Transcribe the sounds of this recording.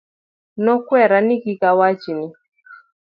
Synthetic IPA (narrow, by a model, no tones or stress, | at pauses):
nɔkwɛɾanikikawat͡ʃini